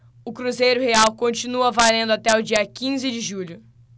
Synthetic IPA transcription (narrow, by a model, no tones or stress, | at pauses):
ʊkɾuzejɾʊheawkõt͡ʃinuɐvalẽnd̪ʊat̪ɛʊd͡ʒiɐkĩzɪd͡ʒɪʒuʎʊ